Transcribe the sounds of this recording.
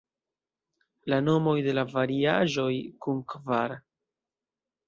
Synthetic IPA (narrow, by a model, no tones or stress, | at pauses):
lano̞mo̞jde̞lavaɾiaʒo̞jkunkvaɾ